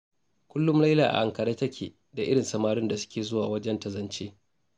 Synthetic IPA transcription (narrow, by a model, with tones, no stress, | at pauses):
kʷʊ˦lːʊ˦mlɐ˦jlaː˨ʔa̰˨ʔa˨ŋkɐ˨ɽeː˦tɐ˦kʲʰḛː˨ | da˨ʔɪ̰˦ɽɪ˨nsɐ˨maː˦ɽɪ˦nda˨sʊ̥˦kʲeː˨zʊ˦waː˨wɐ˦d͡ʒɛ˦ntɐ˨zɐ˨nt͡ʃeː˦